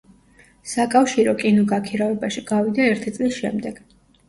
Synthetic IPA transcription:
sakʼafʃiɾɔkʼinɔɡakʰiɾavɛbaʃiɡavid̪aɛɾt̪ʰit̪sʼlisʃɛ̰md̪ɛɡ̥

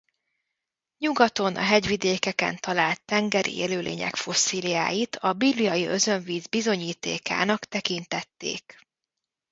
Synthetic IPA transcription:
ɲuɡɒt̪o̞nʔɒ̰ɦɛɟʋid̪eːkɛkɛ̰nt̪ɒlaːlt̪ːɛŋɡɛɾḭeːløːlʔḛːɲɛ̰kfo̞sːiːlija̰ːjit̪ʰɒbiblijɒjiø̞zø̞ɱviːzbizo̞ɲiːt̪ḛːka̰ːnɒkt̪ɛkint̪ɛt̪ːḛːk

